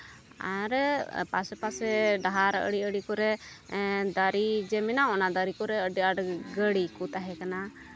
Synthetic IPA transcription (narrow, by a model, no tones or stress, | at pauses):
a̰ɾpasɛpasɛɖaɦaɾə̰ɽiəɽikɔɾɛ | d̪aɾid͡ʒɛmɛnaɔnad̪aɾikɔɾɛəɖaɖɡəɽikut̪aɦɛkana